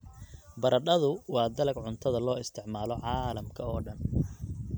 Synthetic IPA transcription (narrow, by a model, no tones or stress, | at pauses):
bɐɾɐɗɐðʊwɑːd̪ɐlɐɡʕʊnt̪ʰɐðɐlɔːɪst̪ʰɪʕmaːlɔʕɑːlɐmkʰɐɔːɖɐn